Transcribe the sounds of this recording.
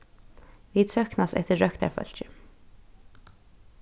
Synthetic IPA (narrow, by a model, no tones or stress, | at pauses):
ʋid̪sʰœhknast̪ɛ̰ht̪ɪɹœkt̪a̰ɹfœ̰l̥t͡ʃɪ